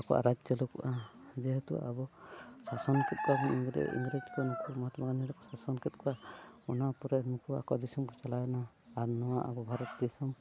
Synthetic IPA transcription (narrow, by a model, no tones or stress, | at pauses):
akɔ̰a̰ɾad͡ʒd͡ʒɔlɔkuʔad͡ʒɛɦɛt̪ṵʔa̰bɔsasɔnkʰɛt̪̚kʰɔakɔnḭŋɡɾ̰ḭŋɡɾed͡ʒkanukʰumɔɦat̪ɔmaɡaniɾɔkɔsasɔnkɛt̪̚kʰɔaɔnapuɾɛnukʰua̰kɔd̪isɔmkɔt͡ʃalajɔna | aɾnɔwaʔa̰bɔbʱaɾɔt̪̚d̪isɔm